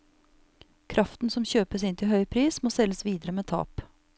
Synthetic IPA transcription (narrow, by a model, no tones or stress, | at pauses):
kʰɾʔɑft̪n̩sɔmçøːpəsɪnt̪ʰɪlhœʏpʰɾiːsmoːsɛlːəsʋiːd̪əɾəmeːt̪ʰɑ̰ːp